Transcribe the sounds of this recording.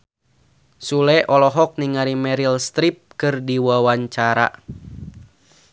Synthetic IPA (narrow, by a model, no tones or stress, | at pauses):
sulɛʔɔlɔɦɔk̚niŋaɾimɛɾilst̪ɾip̚kɨrdiwawaɲt͡ʃaɾa̰